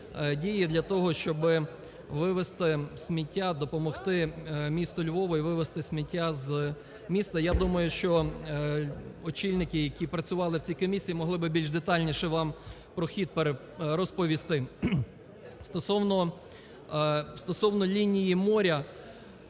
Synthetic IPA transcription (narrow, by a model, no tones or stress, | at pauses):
dʲijid̪lʲɐt̪ɔɦɔʃt͡ʃɔbɪ | ʋɪʋest̪ɪsʲmʲitʲːad̪ɔpɔmɔxt̪ɪmʲist̪ɔlʲbɔʋɔiʋɪʋest̪ɪsʲmʲitʲːaz | mʲist̪ɐjad̪umɐjʊʃt͡ʃɔ | ɔt͡ʃilʲnɪkɪjɐkʲipɾɐt͡sʲʊʋɑlˠɪwt͡sʲijkɔmʲisʲijimɔɦlˠɪbɪbʲilʲʒd̪et̪ɑlʲnʲiʃɛʋɑm | pɾɔxʲid̪̚peɾe | ɾɔspɔʋʲist̪ɪ | st̪ɔsɔwnɔ | st̪ɔsɔwnɔlʲinʲijimɔɾʲɐ